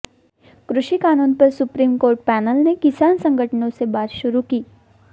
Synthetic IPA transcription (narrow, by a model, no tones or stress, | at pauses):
kɾʊʃikaːnuːnpɐɾsʊpɾiːmkoːɾʈ̚pɛːnəlnekɪsaːnsɐ̃ŋɡʱəʈənõsebaːɾʃʊɾukiː